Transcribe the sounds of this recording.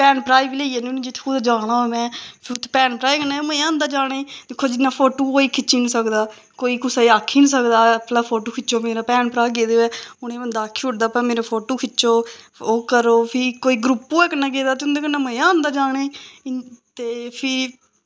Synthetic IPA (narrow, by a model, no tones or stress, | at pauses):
pɛːnpɾaːiːbileiːɛːnĩnĩd͡ʒɪt̪ʰːkʰuːd̪ad͡ʒaːɽ̃ãːomɛ̃ːpʰɪt̪ʰːpɛːnpɾaːikənaːməãːnd̪aːd͡ʒaːɽ̃ed̪eːkʰːoːd͡ʒɪnːãːpʰoːʈoːkoːiːkʰɪt͡ʃiːnsəkd̪aː | koːiːkʊsaiːaːkʰːiːns̬əkd̪aːəplaːpʰoːʈoːkʰɪt͡ʃoːmeːɾaːpɛːnpɾaːɡeːd̪eɛːʊɽ̃ẽːbənd̪aːkʰːiːʊʈ̚d̪aːpãːmeːɾapʰoːʈoːkʰɪt͡ʃːoː | oːkəɾoːpʰɪkoːiːɡɾuːpːoːɛːkənãːɡeːd̪aːt̪eʊnd̪eːkənːãːməãːnd̪aːd͡ʒaːɽ̃eː | t̪eːpʰɪ